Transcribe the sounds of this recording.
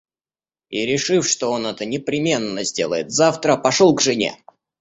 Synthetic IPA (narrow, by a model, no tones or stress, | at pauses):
iɾʲɪʂɨfʂt̪o̞o̞nɛt̪ənʲɪpɾʲɪmʲe̞nːəzʲdʲelˠə̰jɪt̪zaft̪ɾəpɐʂolˠɡʐɨnʲḛ